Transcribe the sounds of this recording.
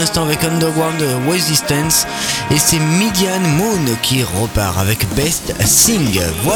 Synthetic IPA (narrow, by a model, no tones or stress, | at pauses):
ɛ̃st̪ɑ̃avɛkɔ̃nd̪ɛʁwaʁnd̪wɛzist̪ɛ̃ns | esɛmid̪janmunkʲʰiʁəpa̰ʁa̰vɛkbɛst̪sĩŋɡvwa